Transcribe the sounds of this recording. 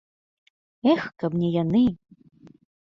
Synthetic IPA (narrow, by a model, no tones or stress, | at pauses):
ɛxkabnʲɛjanɨ